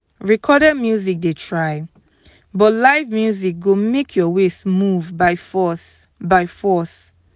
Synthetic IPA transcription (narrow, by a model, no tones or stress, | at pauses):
ɹikʰɔdɛdmjuzik̚detʰɹaj | bɔtlaɪvmjuzik̚ɡomekʰjɔwesmuvbaɪfɔs | baɪfɔs